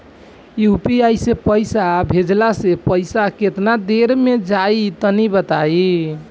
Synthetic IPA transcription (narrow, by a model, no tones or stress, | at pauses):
iupiajsepəjsabʱed͡ʒlasepəjsaket̪nad̪eɾmed͡ʒait̪ɔnibət̪ai